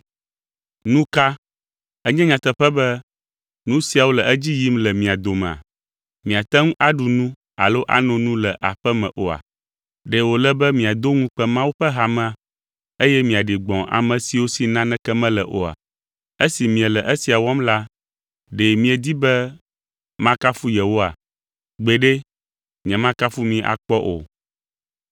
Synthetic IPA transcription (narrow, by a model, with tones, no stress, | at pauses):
nũ˦ka˦ | ɛ˦ɲɛ̃˦ɲã˨t̪ɛ˨ɸɛ˦bɛ˦ | nũ˦si˦a˨wo˦lɛ˨ʔɛ˦d͡ʑi˦ji˦mlɛ˨mĩ˨a˨d̪o˨mɛ̃˨a̰˨ | mĩ˨a˨t̪ɛ˦ŋũ˦ʔa˦ɖu˨nũ˦ | a̰˨lo˦ʔa̰˨nɔ̃˨nũ˦lɛ˨ʔa˨ɸɛ˦mɛ̰̃˨ʔo˨a̰˨ | ɖɛ˨wo˨lɛ˦bɛ˦mĩ˨a˨d̪o˦ŋũ˦k͡pɛ˦mã˦wu˦ɸɛ˦ɦa˨mɛ̃˦a˨ | e˦jɛ˦mĩ˨a˨ɖi˨ɡ͡bɔ̃˨ʔa̰˨mɛ̃˨si˨wo˦si˨nã˦nɛ̃˦kɛ˦mɛ̃˦lɛ˨ʔo˨a̰˨ | e˦si˨mĩ˨ɛ˨lɛ˨ʔe˦si˨a˨wɔ˦mla˦ | ɖe˨mĩ˦ɛ˨d̪i˦bɛ˦ | mã˦ka˦fu˦jɛ˨wo˦a˨ | ɡ͡be˨ɖe˦ | ɲɛ̃˨mã˦ka˦fu˦mĩ˨ʔa̰˨k͡pɔ˦ʔo̰˨